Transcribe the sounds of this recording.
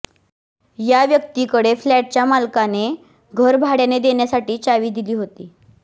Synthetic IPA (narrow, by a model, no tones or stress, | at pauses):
jaʋjək̚t̪ikəɽeflæʈ̚t͡ɕjamalkane | ɡʱəɾbʱaɽjaned̪eɳjasaʈiːt͡saʋiːd̪iliːɦot̪iː